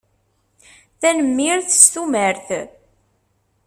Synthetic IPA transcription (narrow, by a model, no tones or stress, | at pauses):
θænəmːiɾθst̪uməɾθ